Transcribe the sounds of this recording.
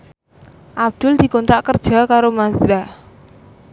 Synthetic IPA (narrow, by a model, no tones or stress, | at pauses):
ʔab̚d̪̥ʊld̪̥i̤kɔnt̪ɾaʔkərd̥ʒ̥a̤kaɾomasɾa